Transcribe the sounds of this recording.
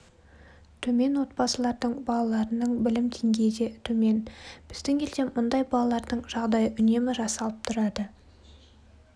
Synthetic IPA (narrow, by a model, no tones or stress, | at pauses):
t̪ʰɵme̞nwo̞t̪̚bɑsəlˠɑɾd̪əɴbɑlˠɑlˠɑɾənəɴbɪlɪmt̪ʰeŋɡʲe̞jd̪e̞t̪ʰɵme̞nb̥ɪzd̪ɪŋʲʰe̞lse̞mʊnd̪ɑjbɑlˠɑlˠɑɾd̪əɴʒ̥ɑʁd̪ɑjəʔʏne̞mɪʒɑsɑlˠəp̚t̪ʰʊɾɑd̪ə